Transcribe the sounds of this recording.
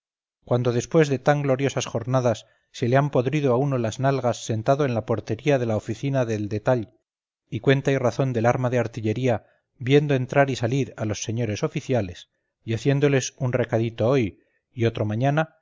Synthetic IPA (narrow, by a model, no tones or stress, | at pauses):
kwand̪o̞ðe̞spwe̞zðe̞t̪aŋɡlo̞ɾjo̞sasχo̞ɾnaðasː | e̞leampo̞ðɾiðoauno̞laznalɣasːe̞nt̪aðo̞e̞nlapo̞ɾt̪e̞ɾiaðe̞laofiθinaðe̞ld̪e̞t̪aʎ | ikwe̞nt̪ajraθo̞nd̪e̞laɾmaðe̞aɾt̪iʎe̞ɾia | bje̞nd̪oe̞nt̪ɾaɾisaliɾalo̞sːe̞ɲo̞ɾe̞so̞fiθjale̞s | iaθje̞nd̪o̞le̞sunre̞kaðit̪o̞o̞j | io̞t̪ɾomãɲana